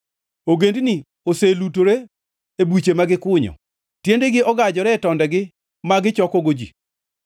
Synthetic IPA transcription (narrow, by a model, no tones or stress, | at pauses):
oɡendni | oselutoɾe | ebwit͡ʃemaɡɪkʊɲɔ̰ | tjendeɡɪɔɡad͡ʒɔɾɛtɔndɛɡɪ | maɡɪt͡ʃɔkɔɡod͡ʒḭ